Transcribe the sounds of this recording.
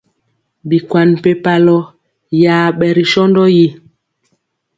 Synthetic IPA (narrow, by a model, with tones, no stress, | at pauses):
bi˨kwa˨n˨pe˨pa˨lɔ˦ | jaː˨ɓɛ˨ɾi˨ʃɔ˦ndɔ˦ji˦